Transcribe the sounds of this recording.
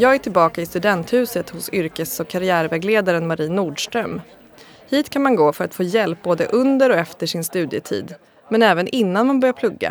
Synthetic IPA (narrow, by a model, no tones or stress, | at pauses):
jɑːɡæʈʰɪlbɑːkaɪst̪ɵd̪ɛnt̪hʉ̟ːsət̪hʊsʏɾkəsɔkʰːaɾɪæːɾvɛːɡleːd̪aɾənmaɾiːnːuːɖʂʈɾœm | hiːt̪kʰanmanɡoːfœɾat̪foːjɛlp̚boːd̪əʔɵnd̪əɾɔɛft̪əʂɪnst̪ʉ̟ːd̪jət̪ʰḭːd̪ | mɛnɛːvənʔɪnːanmanbœɾjapʰlɵɡːa̰